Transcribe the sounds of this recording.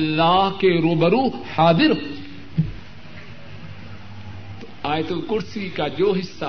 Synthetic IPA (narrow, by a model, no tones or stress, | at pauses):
lːaːhkeɾoːbɐɾuːħaːd̪ɪɾ | aːjt̪ulkʊɾsikad͡ʒoːɦɪsːa